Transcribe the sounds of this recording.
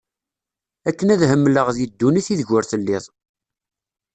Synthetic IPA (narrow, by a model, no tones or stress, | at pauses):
ækːənæðhəmːləʁðid̪ːuniθiðʝʊɾθəlːɪðˤ